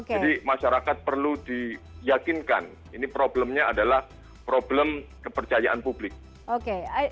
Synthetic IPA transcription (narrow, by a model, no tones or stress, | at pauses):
od͡ʒkadimaʃaɾakat̪̚pərludijakɪnka̰n | inipɾobləmɲaadalah | pɾobləmkəpərt͡ʃajaʔanpublɪk̚ | oke